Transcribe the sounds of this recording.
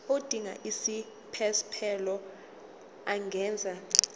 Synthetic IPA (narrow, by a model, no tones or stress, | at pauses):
od̥ʱiŋa̰ʔisi | pʰɛspʰɛlɔ | aŋɡʱɛːnd͡zʱa